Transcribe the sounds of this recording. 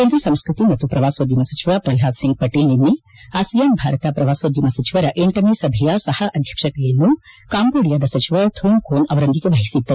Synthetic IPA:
keːnd̪ɾɐsɐmskɾut̪imɐt̪ːupɾɐʋaːsoːd̪ʱjɐmɐsɐt͡ʃiʋaːpɾɐlɦaːd̪siŋɡ̚pɐʈeːlninːi | aːsijambʱaːɾɐt̪ɐpɾɐʋaːsoːd̪jiɐmɐsɐt͡ʃiʋɐɾɐʔeɳʈɐneːsɐbʱɐjasɐhɐʔɐd̪ʱjɐkʂɐt̪ɛjɐnːukaːmboːɽijaːd̪ɐsɐt͡ʃiʋat̪ʰuːɳkʰoːnɐʋɐɾɐnd̪iɡeʋɐɦisit̪ːɐ

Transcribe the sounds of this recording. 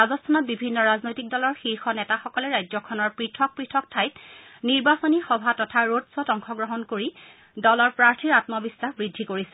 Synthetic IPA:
azɔstʰanɔt̚bibʱinːɔɹaznojtik̚dɔlɔɹxiɹxɔnɛtaxɔkɔlɛɹajzɔkʰɔnɔɹpɹitʰɔk̚pɹitʰɔk̚tʰajtniɹbasonixɔbʱatɔtʰaɹodsɔtɔŋxɔɡɹɔɦɔnkoɹi | dɔlɔɹpɹaɹtʰiɹatmɔbisːaxbɹidʱːikoɹisɛ

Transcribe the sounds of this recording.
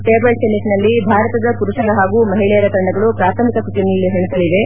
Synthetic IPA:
ʈeːbɐlsemiʈnɐlːibʱaːɾɐt̪ɐd̪ɐpuɾuʂɐɾɐɦaːɡumɐɦiɭɛjɐɾɐk̪ɐɳɖɐɡɐɭupɾaːt̪ʰɐmikɐsuʈ̪inɐlːiɦeɳut̪ɐɭiʋe̞

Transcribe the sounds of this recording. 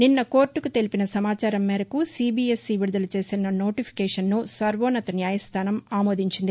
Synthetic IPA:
ninːɐko̞ːɾʈːukut̪e̞lipinɐsɐmaːt͡ʃaːɾɐmːɛːɾɐkusiːbiːesːiʋiɽud̪ɐlɐt͡ʃe̞ːsinɐno̞ːʈipʰi̥kɛːʂɐnːusɐɾʋoːnɐt̪ɐnjaːjɐst̪ʰaːnɐmaːmo̞ːd̪iɲt͡ʃind̪i

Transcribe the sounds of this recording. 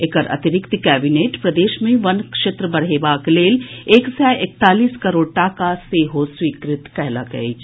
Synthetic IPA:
ɪkəɾɐ̰t̪ɪɾɪkt̪kɛːbineːʈpɾɐd̪eːʃmẽʋɐnkʃet̪ɾəbɐɽ̤eːbaːkleːleːksɛːɪk̚t̪aːliːskɐɾoːɽʈakaseːɦoswiːkɾɪt̪kɛɦlakɐ̰ed͡ʒ

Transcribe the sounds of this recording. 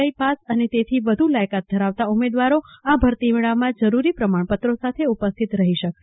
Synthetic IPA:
əipasənet̪et̪ʰiʋəd̪ʱulajkat̪̚d̪ʱəɾaʋt̪aumed̪ʋaɾoabʱəɾt̪iʋiɭamãd͡ʒəɾuɾipɾəmaɳpət̪ɾosat̪ʰeupəst̪ʰit̪ɾəɦiʃək

